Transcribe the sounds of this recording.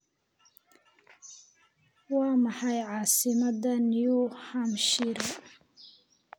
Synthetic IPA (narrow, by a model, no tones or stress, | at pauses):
wɑːmɑħɑjʕɑːsɪmɐd̪ɐnjuhɐmʃɪɾ